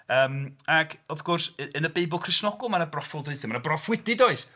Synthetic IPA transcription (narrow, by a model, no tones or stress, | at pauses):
əːmaɡɔθɡ̥ʊrsəənəbejbʊlˠkʰrɪsnɔɡʊlˠmanabrɔfɔlˠdrɪɨθɪmanabrɔfwɪdɪdoɨs